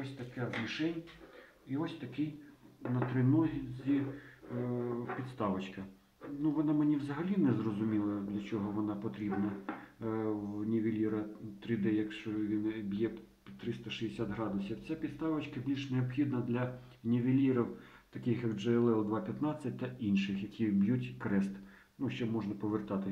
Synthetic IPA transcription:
ɔsʲt̪ɐkɛzmʲiʃɛnʲ | iɔsʲt̪ɐkɪjnɐt̪ɾɪnɔɦʲizʲi | pʲidt̪st̪ɑʋɐt͡ʃkɐ | nuʋɔnɑmɪnʲiwzɐɦɐlʲinɛzrɔzʊmʲilˠɐd̪lʲɐt͡ʃɔɦɔʋɔnɑpɔt̪ɾʲibnɐ | wnʲiʋʲilʲiɾɐt̪ɾʲɪd̪ɛjɐkʃt͡ʃɔʋʲinbʲjɛ | pʲit̪ɾɪst̪ɐʃɪɪsʲat̪ɦɾɑd̪ʊsʲiwt͡sʲapʲit̪st̪ɑʋɐt͡ʃkɐbʲlʲiʂneɔbxʲid̪nɐd̪lʲɐ | nʲiʋʲilʲiɾɔw | t̪ɐkɪxjɐɡd͡ʒɛɛlˠɛlˠd̪ʋɑpʲjɐt̪nɑt͡sʲːɐt̚ʲt̪ɐinʃɪxjɐkʰʲibʲjutʲkɾɛst̪ | nuʃt͡ʃɔmɔʒnɐpɔʋert̪ɑt̪ɪ

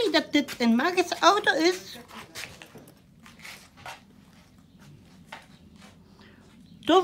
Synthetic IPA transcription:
idɑt̚dɪtʰənmaɣəsɔwtoɪs | d̥ɔ

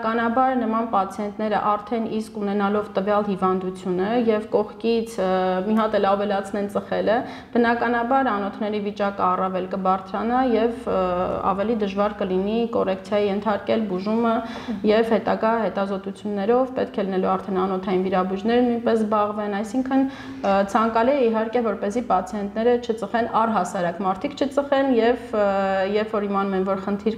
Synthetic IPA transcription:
kɑnɑbɑɾnəmɑnpɑt͡sʰiɛnt̪nɛɾə̰ʔɑɾt̪ʰɛniskunɛnɑlɔvt̪əvjɑlhivɑnd̪ut͡sʰjunəjɛvkɔχkit͡sʰmiɦɑt̪ɛlɑvɛlɑt͡sʰnɛnt͡səχɛlə | b̥ənɑkɑnɑbɑɾɑnɔt̪ʰnɛɾivit͡ʃɑkəɑrɑvɛlkəbɑɾt͡sʰɾɑnɑjɛvɑ̰vɛlid̪əʒvɑɾkəlinikɔrɛkʰt͡sʰjɑjijɛnt̪ʰɑɾkɛlbuʒumə | jɛvhɛt̪ɑɡɑhɛt̪ɑzɔt̪ut͡sʰjunːɛɾɔvpɛ̰t̪̚kʰɛlinɛluɑɾt̪ʰɛnɑnɔt̪ʰɑjinviɾɑbud͡ʒnɛɾnujnpɛsbɑʁvɛnɑjsiŋkʰən | t͡sʰɑŋkɑliɛiɦɑɾkɛvɔɾpɛzipɑt͡sʰiɛnt̪nɛɾət͡ʃʰət͡səχɛnɑrɦɑsɑɾɑkmɑɾt̪ʰikʰt͡ʃʰət͡səχɛnjɛvjɛpfɔɾhimɑnumɛnvɔɾχənt̪ʰiɾ

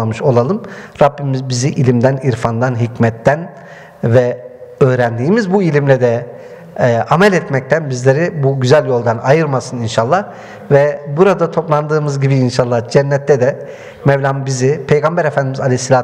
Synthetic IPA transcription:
amɯʃo̞lˠalˠɯmɾabːimizbiziʔilʲimd̪æniɾfand̪anɦicmɛt̪ːæn | vɛ | øːɾænd̪iːmizbuilʲimlʲɛd̪ɛ | ʔamɛlʲɛt̪mɛc̚t̪ʰænbizlʲeɾibuɟyzælʲjo̞lˠd̪anajɯɾmasɯninʃalˠːah | vɛbuɾad̪at̪ʰo̞plˠand̪ɯːmɯzɟibiːnʃalˠːahd͡ʒɛnːɛt̪ʰːɛd̪ɛ | mɛvlʲambizipʰe̞jɡambɛɾefænd̪imizalʲejsːilʲaː

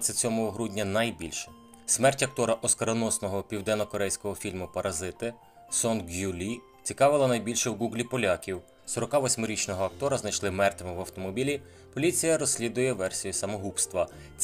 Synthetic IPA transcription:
t̪sɪt͡sʲɔmɔɦɔɦɾudʲnʲɐnɐjbʲilʲʃɛ̥ | smɛrtʲɐk̚t̪ɔɾɐʔɔskɐɾɔnɔsnɔɦɔpʲiwd̪ɛnːɔkɔɾɛjsʲkɔɦɔfʲilʲmʊpɐɾʔɐzɪt̪ɪ | sɔnɡjulʲi | t͡sʲikɑʋɪlˠɐnɐjbʲilʲʃɛwɡuɡlʲipɔlʲakʲiw | sɔɾɔkɑʋɔsʲmɪɾʲit͡ʃnɔɦɔɐk̚t̪ɔɾɐznɐjʃlˠɪmɛrt̪ɐmɪʋɐwt̪ɔmɔbʲilʲi | pɔlʲit͡sʲijɐɾɔsʲlʲid̪ʊjɛʋɛrsʲijusɐmɔɦupst̪ʋɐ

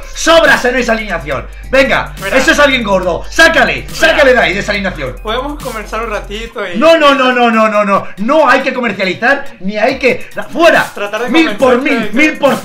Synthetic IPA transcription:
soβɾasenesalinaθjo̰n | be̞ŋɡa̰ | esoesalɣje̞ŋɡoɾðosakalḛsakaleðaiðesalinaθjo̰ŋpoðemokomensaɾunrat̪it̪ononõnõnõnõnõnõnoajke̞ko̞meɾθjaliθaɾniajkefweɾa̰t̪ɾat̪aɾmilpoɾmimilpoɾθ

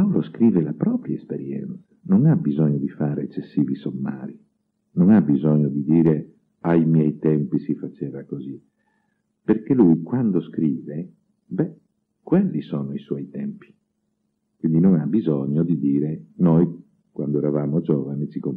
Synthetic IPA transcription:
pawloskɾiːvelapɾɔːpɾjaespeɾjɛ̰nt̪sḁnoŋabizɔɲːod̪ifaːɾeet͡ʃːesːiːvisomːa̰ːɾi | noŋabizɔɲːod̪id̪iːɾe | ajmjɛjt̪ɛmpisifat͡ʃɛːvakozi | perkelujkwand̪oskɾiːve | bɛ | kwɛlːisɔːnoiswɔjt̪ɛmpi̥ | kwind̪inoŋabizɔɲːod̪id̪iːɾenɔj | kwand̪oɛɾavaːmod͡ʒɔːvanit͡ʃiko

